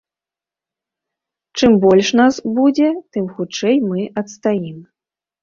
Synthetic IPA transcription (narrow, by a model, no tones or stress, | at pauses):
t͡ʂɨmbɔlʲʂnasbud͡zʲɛt̪ɨmxut͡ʂɛjmɨʔɐt̪st̪ajim